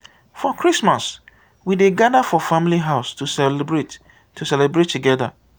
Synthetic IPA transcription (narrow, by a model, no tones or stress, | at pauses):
fɔkʰɹismas | wideɡadafɔfãmiliɦaʊstusɛlbɹet | tʰːusɛlɛbɹetʰːuɡɛða̰